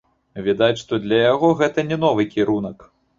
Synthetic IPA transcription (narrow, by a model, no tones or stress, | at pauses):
vʲɛd̪at͡sʲʂt̪ɔd̪lʲɐjaɣɔɣɛt̪ɐnʲɛn̪ɔvɨkʲiɾunɐk